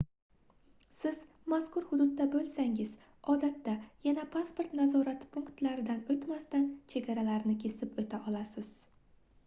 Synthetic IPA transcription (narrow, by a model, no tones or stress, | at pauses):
sɪz | maskʰʊɾhʊd̪ʊd̪ːabɵlsaŋɪz | ɒd̪at̪ːajanapʰaspo̞ɾt̪nazɒɾat̪pʰʊŋkt̪laɾɪd̪anɵt̪mast̪ant͡ʃʰe̞ɡʲaɾalaɾnɪkʲʰe̞sɪpɵt̪ʰaʔɒlasɪz̥